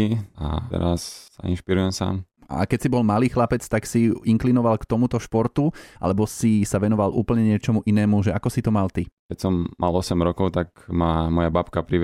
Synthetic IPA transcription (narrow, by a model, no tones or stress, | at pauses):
ia̰ɛ̰ɾasaḭnʃpiɾujɛmsa̰ːm | a̰kɛcsibɔlmaliːxlapɛt͡st̪aksiiŋklinɔʋalkt̪ɔmut̪ɔʃpɔɾt̪uʔa̰lɛbɔsisaʋɛnɔʋalʔṵːpl̩ɲɛɲɪɛt͡ʃɔmuʔinɛːmuʒɛakɔsit̪ɔmalt̪ikɛcsɔmːa̰lɔsɛmɾɔkɔʊt̪akmamɔjabapkapɾiʋ